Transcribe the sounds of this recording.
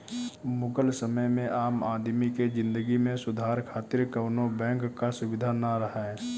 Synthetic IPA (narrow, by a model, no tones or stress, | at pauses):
mʊɡəlsəməjmẽʔaːmaːd̪miked͡ʒɪ̃nd̪əɡimẽsʊd̪ʱaːɾkʰaːt̪ɪɾkɐʋnobɛ̃ːŋkːasʊʋɪd̪ʱanaɾəɦaɛː